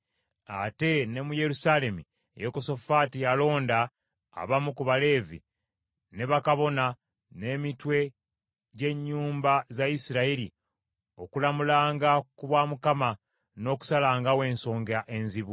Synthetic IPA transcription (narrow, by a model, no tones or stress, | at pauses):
a̰te̞ne̞muje̞ɾusale̞mṵ | jekoso̞fatijalo̞ːnda̰ː | βamukuβale̞ːvḭ | ne̞βakaβo̞na | ne̞ːmitwe̞ | ɟe̞ɲːuːmbazajisiɾaili | o̞kulamulaːŋɡakuβwaːmukama | no̞ku̥salaːŋɡawe̞ːnso̞ːŋɡaʔe̞nziβu